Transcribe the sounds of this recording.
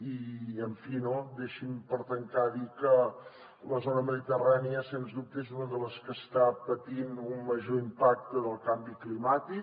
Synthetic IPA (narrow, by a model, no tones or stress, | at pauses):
iəɱfinod̪eʃimpəɾt̪əŋkaðikə | ləzonəməðit̪əraniəsenzdup̚t̪əezunəðələskəst̪apət̪inumːəʒoimpak̚t̪əðəlˠkambiklimat̪i